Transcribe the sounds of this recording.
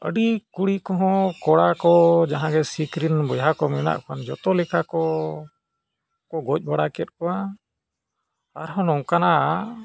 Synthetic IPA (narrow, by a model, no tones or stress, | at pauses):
ə̰ɖikuɽikɔɦɔ̃kɔɽakɔd͡ʒaɦãɡɛsikɾinbɔjɦakɔmɛna̰ʔkʰand͡ʒɔt̪ɔlɛkʰakɔ | kɔɡɔc̚ˀbaɽakɛt̪̚kɔa | aɾɦɔ̃nɔŋkana